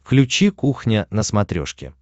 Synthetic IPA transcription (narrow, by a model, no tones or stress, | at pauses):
klʲʉt͡ɕikuxnʲənəsmɐt̪ɾʲo̰ʂkʲɪ̰